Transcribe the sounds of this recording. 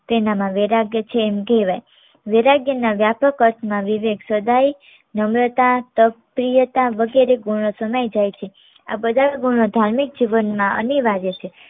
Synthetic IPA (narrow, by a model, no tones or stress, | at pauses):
penamãʋeɾaɡjət͡ʃʰeːmkeʋaj | ʋeɾaɡjənaʋjapəkət̪ʰmãʋiʋeɡsəd̪ʱaj | nəmɾət̪at̪əpɾijət̪ãʋəɡeɾeɡuɽ̃osəməjd͡ʒajt͡ʃʰe | a̰bəd̪ʱaʋeɡuɳ̃od̪ʱaɾmik̚d͡ʒiʋənmãə̰niʋaɾjət͡ʃʰe